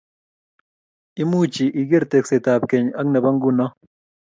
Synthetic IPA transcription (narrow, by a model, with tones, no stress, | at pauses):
i˦mu˦t͡ʃi˨ʔi˨ɡe˦ɾte˨kse˨ta˨p̚ke˨ɲa˦knɛ˨ba˦ŋɡu˦nɔ˦